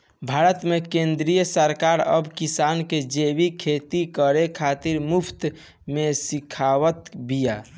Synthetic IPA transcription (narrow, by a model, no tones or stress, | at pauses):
bʱaɾət̪mekẽnd̪ɾijəsəɾkaɾə̰bkisanked͡ʒebikʰet̪ikəɾekʰat̪iɾmupʰt̪ | mesikʰawət̪bija